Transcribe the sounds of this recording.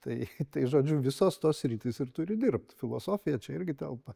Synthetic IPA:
t̪ɐɪt̪ɐɪʒoːd͡ʒʲʊʋʲɪsoːst̪oːssʲɾʲiːt̪ʲɪsɪrt̪ʊɾʲɪd̪ʲɪrp̚t̪fʲɪlˠoːsoːfʲɪjɛt͡ʃʲɛɪɾʲɡʲɪt̪ʲɛlˠpɐ

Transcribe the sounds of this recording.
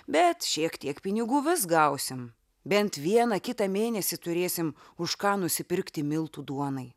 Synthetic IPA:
bʲɛt̪ʃʲiɛkt̪ʲiɛkpʲɪnʲɪɡuːʋʲɪsɡɐʊsʲɪm | bʲɛnt̪ʋʲiɛnɐkʲɪt̪ɑmʲeːnʲɛsʲɪt̪ʊɾʲeːsʲɪm | ʊʃkɑːnʊsʲɪpʲɪɾʲkt̪ʲɪmʲɪlˠt̪uːd̪uɔnɐɪ

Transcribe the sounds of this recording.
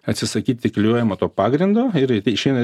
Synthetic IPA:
ɐt̪ʲsʲɪsɐkʲiːt̪ʲtʲɪklʲjuːjɛmoːt̪oːpɑːɡɾʲɪnd̪oːɪɾʲɪʃʲɛɪnɐ

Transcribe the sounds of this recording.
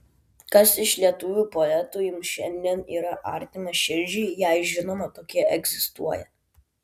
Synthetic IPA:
kɐsɪʃlʲiɛt̪ʊʋʲuːpɔɛt̪uːjɪmʃʲɛnʲd̪ʲiɛniːɾɐʔɑ̰ˑɾʲt̪ʲɪmɐʃʲɪɾʲd͡ʒʲɛɪjɛɪʒʲɪnɔmɐt̪oːkʲiɛɛɡzʲɪst̪ṵɔjɛ̰

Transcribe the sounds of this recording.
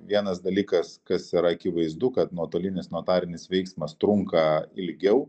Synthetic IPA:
ʋʲiɛnɐsd̪ɐlʲiːkɐskɐsiɾɐɐkʲɪʋɐɪzd̪ʊkɐt̪nuɔt̪oːlʲɪnʲɪsnoːt̪ɑːɾʲɪnʲɪsʋʲɛɪksmɐst̪ɾʊŋkɐɪlʲɡʲɛʊ

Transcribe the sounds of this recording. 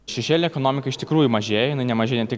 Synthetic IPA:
ʃʲɛʃʲeːlʲɪnʲeːɛkonoːmʲɪkɐɪʃt̪ʲɪkɾuːjʊmɐʒʲeːjɛjɪnɐɪnʲɛmɐʒʲeːjnʲɛt̪ʲɪk

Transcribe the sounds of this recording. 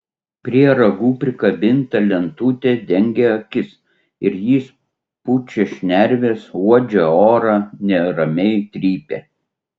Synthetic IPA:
pʲɾʲiɛɾɐɡuːpʲɾʲɪkɐbʲɪnt̪ɐlʲɛnt̪uːt̪ʲed̪ʲɛŋʲɡʲeɐkʲɪs | ɪɾjiːs | pʊt͡ʃʲɛʃʲnʲæɾʲʋʲeːsuɔd͡ʒʲɛoːɾɑːnʲɛɾɐmʲɛɪt̪ʲɾʲiːpʲeː

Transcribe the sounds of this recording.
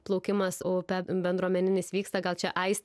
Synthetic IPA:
plˠɒʊkʲɪmɐsoːpʲɛbʲɛnd̪ɾuɔmʲɛnʲɪnʲɪsʋʲiːkst̪ɑɡɐlˠt͡ʃʲɛʔɐɪsʲ

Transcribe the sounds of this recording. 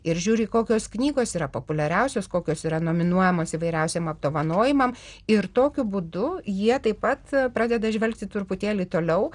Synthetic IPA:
ɪɾʒʲuːɾʲɪːkoːkʲoːsknʲiːɡoːsiːɾɐpoːpʊlʲɛɾʲɛʊsʲoːskoːkʲoːsiːɾɐnoːmʲɪnuɔjɛmoːsiʋɐɪɾʲɛʊsʲeːmɐb̚d̪oːʋɐnoːjɪmɐmɪɾt̪oːkʲʊbuːd̪ʊjiɛt̪ɐɪpɐt̪pɾɑːd̪ʲɛd̪ɐʒʲʋʲɛlʲkt̪ʲɪt̪ʊrpʊt̪ʲeːlʲiːt̪oːlʲɛʊ

